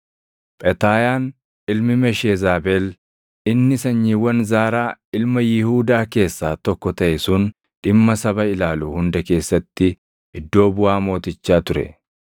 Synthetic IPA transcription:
pʼɛt̪aːjaːn | ɪlmɪmɛʃeːzaːbeːl | ɪnːɪsɐɲːiːwɐnzaːɾaːɪlmɐjɪhuːd̪aːke̞ːsːaːt̪ɔkːɔt̪ɐʔɛsʊn | ᶑɪmːɐsɐbɐɪlaːluːhʊnd̪ɐke̞ːsːɐt̪ːɪ | ɪd̪ːo̞ːbʊʔaːmo̞ːt̪ɪt͡ʃːaːt̪ʊɾɛ̰

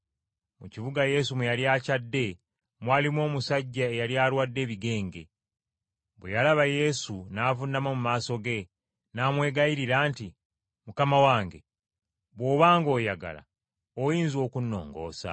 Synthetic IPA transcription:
muciβuɡaje̞sumejaljaːcadːe̞ | mwaːlimwo̞ːmusaɟːae̞jaljaːɾwadːe̞ːβiɡe̞ːŋɡe̞̰ | βwejalaβaje̞sunaːvunːamomumaːso̞ɡe̞ | naːmwe̞ːɡajiɾiɾaːnti | mukamawaːŋɡe̞̰ | βwo̞ːβaːŋɡo̞ːjaɡa̰la̰ | ojiːnzo̞ːkunːo̞̰ːŋɡo̞̰ːsa̰

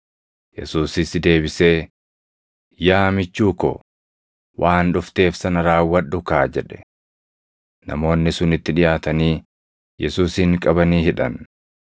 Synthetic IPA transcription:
jɛsuːsɪsd̪e̞ːbɪse̞ː | jaːmɪt͡ʃːuːkɔ̰ | wʔaːnᶑʊft̪e̞ːfsɐnɐɾaːwːɐᶑʊkaːd͡ʒɛᶑɛ̥ | nɐ̰mo̞ːnːɪsʊnɪt̪ːɪᶑɪjʔaːt̪ɐniː | jɛsuːsɪŋkʼɐbɐniːhɪᶑɐ̰n

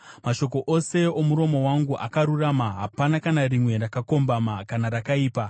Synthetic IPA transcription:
maʃo̞ko̞ʔo̞se̞o̞muɾo̞mo̞waŋɡuʔa̰kaɾuramaɦapanakanarimwe̞rakako̞mbamakanaɾakaiːpa

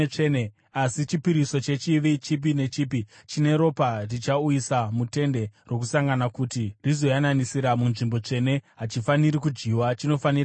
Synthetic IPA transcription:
ene | asit͡ʃipiɾiso̞t͡ʃe̞t͡ʃiʋit͡ʃip̬ine̞t͡ʃipi | t͡ʃine̞ɾo̞parit͡ʃaujisamute̞nde̞rwo̞kusaŋɡanakutirizo̞jananisiɾamunʐimbo̞t͡ʂe̞ne̞ɦat͡ʃifaniɾikud͡ʒɡiwat͡ʃino̞fanir

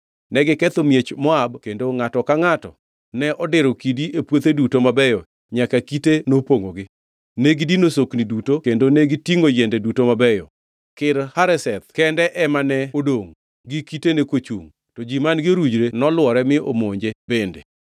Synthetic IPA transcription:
nɛɡɪkɛt̪omjet͡ʃmɔabkendoŋatɔkaŋatɔ̰ | nɛʔɔdɪɾɔkidiepwot̪edutomabɛjɔ | ɲakakitenopoŋoɡɪ | neɡidinosoknidutokendoneɡɪtiŋojɛndɛdutomabɛjɔ̰ | kɪɾhaɾɛsɛt̪̚kɛndɛʔɛmanɛodoŋ | ɡɪkitenekot͡ʃṵŋ | tɔd͡ʒimanɡɪoɾud͡ʒɾenɔlwɔɾɛmɪʔomoɲd͡ʒebendḛ

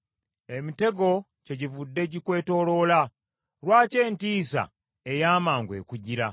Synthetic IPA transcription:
e̞mite̞ɡo̞ | ce̞ɟivudːe̞ɟikwe̞ːto̞ːlo̞ːla | ɾwaːce̞ːntiːsa̰ | ejaːmaːŋɡwe̞̰ːkuɟiɾa

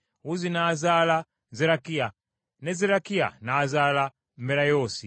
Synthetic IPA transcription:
uzinaːzala | zɛɾakia | nɛzɛɾakia̰naːzala | mbɛɾajɔsi

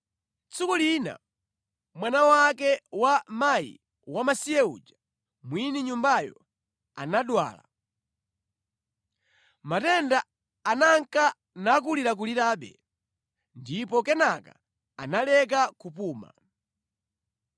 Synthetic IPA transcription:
t͡sukulina̰ | mwanawak̬ɛwamajḭ | wamasijɛṵd͡ʒa | mwiniɲumbajɔ̰ | a̰naɗwa̰ːla̰ | matɛndaː | naŋka | nak̬uliɾak̬uliɾaːɓɛ̰ | ndipɔkɛnaka̰ | analɛk̬akupuːma̰

